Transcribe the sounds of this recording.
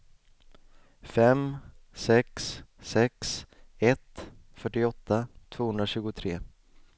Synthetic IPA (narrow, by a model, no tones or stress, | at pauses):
fɛmsɛkssɛksɛt̪fœʈːɪɔt̪ːat̪ʰv̥oːhɵnd̪ɾaɕʉ̟ːɡʊt̪ʰɾeː